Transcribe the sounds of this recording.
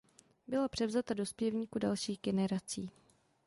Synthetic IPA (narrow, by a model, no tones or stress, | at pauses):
bɪlapr̝̥ɛvzat̪ado̞spjɛvɲiːkudalʃiːɣɡɛnɛɾat͡siː